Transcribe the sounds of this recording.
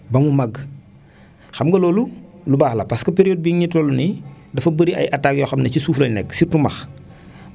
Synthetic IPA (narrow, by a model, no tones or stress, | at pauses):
bɐmumɐɡ | xɐmɡɐloːlu | lubaːxlɐpɐskɐpeɾijoːd̚biɲitloːluni | dɐfɐbəɾia̰jʔataɡjoxɐmnɐcisuːflɐnɛksitumɐx